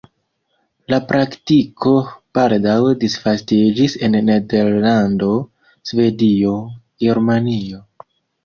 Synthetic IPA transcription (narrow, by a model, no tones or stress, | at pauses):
lapɾʔaktikʰo̞paɾdawdisfastid͡ʒisenːe̞deɾlando̞ | sve̞dio̞ | ɡe̞ɾmanio̞